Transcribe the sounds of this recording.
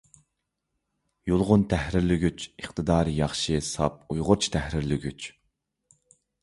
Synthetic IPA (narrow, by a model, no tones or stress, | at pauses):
julˠʁʊnt̪ʰæhɾɪɾlɪɡʲyt͡ʃəχt̪ʰɨd̪ɑːɾjɑχʃɨsɑ̰p̚ujʁʊɾt͡ʃʰi̥t̪ʰæhɾɪɾlyɡʲyt͡ʃ